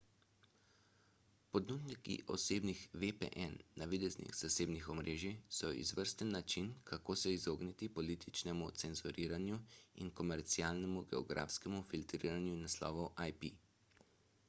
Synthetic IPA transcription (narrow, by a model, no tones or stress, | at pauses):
pɔd̪nut̪nikḭʔɔ̰seːbnixʋepḛʔɛnːaʋid̪ɛznḭxz̥aseːbnixɔmɾeːʒisɔḭzʋəɾst̪ənːat͡ʃinkʰakoːsɛizoːɡnit̪ipɔliːt̪ʰit͡ʃnɛmut̪sɛnzuɾiːɾanjuḭnkɔmɛɾt̪siaːlnɛmuɡɛɔ̰ɡɾa̰ːfskɛmufilt̪ɾiːɾanjunaslɔ̰ːʋɔwʔajpḭ